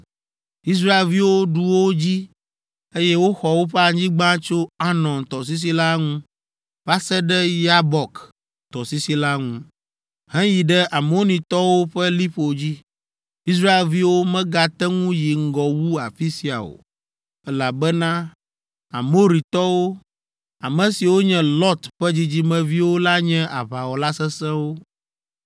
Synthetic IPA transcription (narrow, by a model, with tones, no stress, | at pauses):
i˦s̬ɾa˦e˨lvi˦wo˦ɖu˨wo˦d͡ʑi˦ | e˦jɛ˦wo˦xɔ˨wo˦ɸɛ˦a˨ɲ˦d͡ʑĩ˦ɡ͡bã˦t͡ʃo˦a˦nɔ̃˨nt̪ɔ˨s̬i˦s̬i˦la˦ŋũ˦ | va˦sɛ˦ɖɛ˦ja˦bɔ˨k | t̪ɔ˨si˦si˦la˦ŋũ˦ | ɦɛ̃˦ji˨ɖɛ˦ʔa˨mo˦nĩ˨t̪ɔ˦wo˦ɸɛ˦li˦ɸo˨d͡ʑi˦ | i˦s̬ɾa˦e˨lvi˦wo˦mɛ̃˦ɡa˦t̪ɛ˦ŋũ˦ji˨ŋ̩˦ɡɔ˨wu˦a̰˨fi˦si˦˨a̰˨o̰˨ | ɛ˦la˨bɛ˦nã˦ | a̰˨mo˦ɾi˨t̪ɔ˦wo˦ | a˨mɛ̃˨si˨wo˦ɲɛ̃˦lɔ˦t̪ɸɛ˦d͡ʑi˦d͡ʑi˦mɛ̃˦vi˦wo˦la˦ɲɛ̃˦ʔa̰˨βa˨wɔ˨la˦sɛ˦sɛ̃˦wo˦